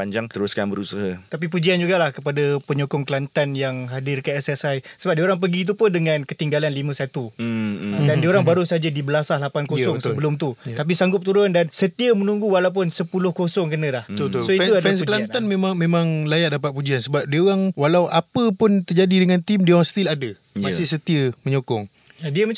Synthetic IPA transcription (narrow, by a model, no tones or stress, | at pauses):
paɲd͡ʒaŋt̪əɾʊskanbəɾusaɦat̪ap̬ip̬ud͡ʒiand͡ʒuɡalahkəpadapəɲokɔŋkəlant̪anjaŋɦadɪrkaɛsɛsajsəbap̚dioɾaŋp̬əɡit̪̬upʊndəŋãnkət̪iŋɡalanlimə̃sat̪u | dandioɾaŋbaɾusəɦad͡ʒadibəlasahlapankosɔŋsəbəlʊmt̪utt̪ap̬isaŋɡʊp̚t̪uɾʊndansət̪iəmənũŋɡuwalawp̬ʊnsəpulʊhkosɔŋkənə̃lahsoit̪uadɛnsklant̪anmẽmaŋmẽmãŋlajaʔ̚dapat̪̚pud͡ʒiansəbap̚diəoɣaŋwalawʔapəpʊnt̪ərd͡ʒadidəŋãnt̪imdiəoɾaŋst̪iladə | masɪsət̪iəməɲokɔŋ | adiəmə